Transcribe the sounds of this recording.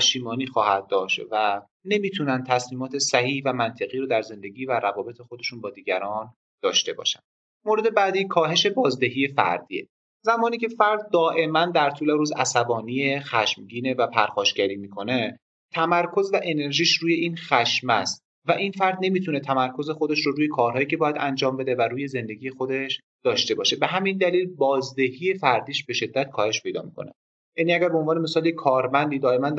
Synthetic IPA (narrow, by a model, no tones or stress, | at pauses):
ʃiːmɒːniːxɒːhæd̪̚ːɒːʃt̪væ | ne̞miːt̪ʰunænd̪̚t̪ʰæsliːmɒːt̪ʰe̞sæhiːhvæmænt̪ʰeɣiːɾuːd̪æɾze̞nd̪e̞ɟiːvæɾævɒːbe̞t̪ʰe̞xod̪e̞ʃuːnbɒːd̪iːɟæɾɒːn | d̪̥ɒːʃt̪e̞bɒ̰ːʃæ̰nd̪̥ | moɾe̞d̪e̞bæd̪iːkʰɒːɦe̞ʃe̞bɒːzd̪e̞ɦiːje̞fæ̰ɾd̪iːe | zæmɒːniːcʰe̞fæɾd̪̚ːɒːʔe̞mænd̪æɾt̪ʰuːleɾuːzæ̰sæbɒːnijexæʃmɟiːne̞væpʰæɾxɒːʃɟæɾiːmiːkʰo̞ne̞ | t̪ʰæmæɾkʰo̞zvæʔe̞ne̞ɾʒiːʃɾuːje̞iːnxæʃmæ̰st̪̚ | væʔinfæɾd̪ne̞miːt̪ʰune̞t̪ʰæmæɾkʰoze̞xo̞d̪e̞ʃɾoɾuːjekʰɒːɾɦɒːjiːcʰe̞bɒːjæd̪ænd͡ʒɒːmbe̞d̪evæɾuːje̞ze̞nd̪e̞ɡʲiːje̞xod̪e̞ʃ | d̪̥ɒːʃt̪e̞bɒːʃe̞be̞ɦæmind̪æliːlbɒːzd̪e̞hiːje̞fæɾd̪iːʃb̥e̞ʃe̞d̪ːæt̪̚kʰɒːhe̞ʃpʰe̞jd̪ɒ̰ːmikʰone | jæniːæɡæɾbeonvɒːne̞me̞sɒːljekʰɒːɾmænd̪iːd̪ɒːe̞mæn